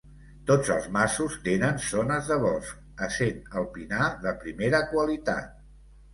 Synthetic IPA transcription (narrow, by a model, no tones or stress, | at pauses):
t̪od͡zəlˠzmasust̪enənsonəzðəβɔs | əsenəlˠpinaðəpɾimeɾəkwəlit̪a̰t̪̚